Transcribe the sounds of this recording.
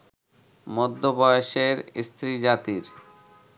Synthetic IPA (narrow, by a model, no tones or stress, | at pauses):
mɔd̪ʱːobɔjoʃeɾst̪ɾid͡ʑat̪iɾ